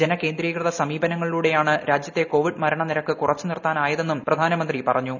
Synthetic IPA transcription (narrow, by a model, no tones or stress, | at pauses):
d͡ʑe̞nɐke̞ːnd̪ɾiːkrɨðɐsɐmiːbɐnɐŋːɐɭiluːɽe̞jaːɳɨɾʔaːd͡ʑjɐt̪ːe̞ko̞ːʋiɖmɐɾɐɳɐniɾɐkːɨkurɐt͡ɕːɨnirt̪aːnaːjɐðe̞nːumprɐd̪ʱaːnɐmɐnd̪ripɐ̰rɐɲːu